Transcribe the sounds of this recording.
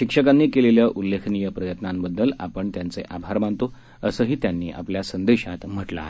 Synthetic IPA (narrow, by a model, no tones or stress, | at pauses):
ɕikʂəkanːiːkeleljaʔulːekʰnijəpɾəjət̪nambəd̪ʱːəlapəɳt̪jant͡seʔabʱaɾmant̪o | əsəːɦiːt̪janːḭːʔa̰pljasənd̪eɕat̪m̤əʈla̰e